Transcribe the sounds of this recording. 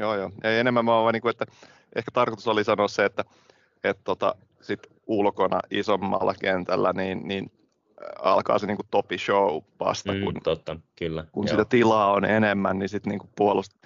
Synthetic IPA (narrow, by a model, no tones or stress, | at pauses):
joːjoːeienemːæmmoɑːʋɑiniːŋkuet̪ːæ | ʔehkæ̥t̪ɑrkot̪usolisɑnoːsseet̪ːæ | et̪t̪ːot̪ɑ̰ | sit̪ | ulkonɑ̰ʔisomːɑ̰lːɑkent̪ælːæniːnniːn | ɑ̰lkɑ̰ːseniːŋkutt̪opiʃouʋɑ̰st̪ɑkṵnt̪ot̪ːɑkylːækunsit̪æt̪ilɑːonenemːænnisit̪niːŋkuppuolust̪